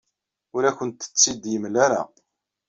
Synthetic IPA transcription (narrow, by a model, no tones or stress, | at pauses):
ʊɾækənt̪ːə̥t͡sːid̪jəmlaɾa̰